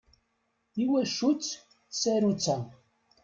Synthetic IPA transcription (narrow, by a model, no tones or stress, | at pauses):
iwæʃut͡sː | θsæɾut͡sːa